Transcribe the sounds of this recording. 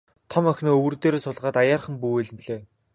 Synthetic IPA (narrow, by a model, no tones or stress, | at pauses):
t̪ʰɔmœxʲnɔːɵwɵ̆rt̪eːɾeːsʊɮʁaːt̪ajaːrχə̆mpueɮɘ̆nɮeː